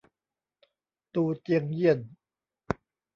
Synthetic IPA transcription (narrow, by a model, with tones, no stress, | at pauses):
t̪uː˧t͡ɕi˧əŋji˥˩ən